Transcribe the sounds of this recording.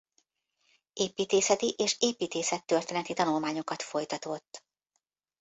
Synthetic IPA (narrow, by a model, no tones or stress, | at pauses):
eːpiːt̪eːsɛt̪iʔeːʃeːpiːt̪eːsɛt̪ːørt̪eːnɛt̪it̪ɒnulmaːɲo̞kɒt̪fo̞jt̪ɒt̪o̞t̪ː